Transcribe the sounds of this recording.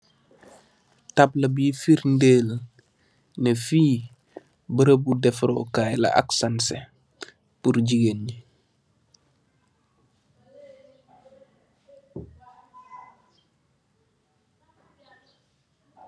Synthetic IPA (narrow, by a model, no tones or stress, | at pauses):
tablɐbifiɾndeːl | nefiː | bəɾəbudɛfɾo̰kajla̰ʔa̰ksansḛ | puɾɟiɡeni